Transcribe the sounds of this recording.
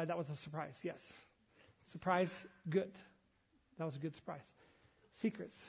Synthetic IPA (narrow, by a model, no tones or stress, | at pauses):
ðət̚wʌzəsə˞pʰɹ̥aɪz̥jɛsː | ə˞pʰɹ̥aɪzɡʊd | ðɨt̚wʌzəɡʊd̥sə̥˞pʰɹ̥aɪz̥ | sikɹɨts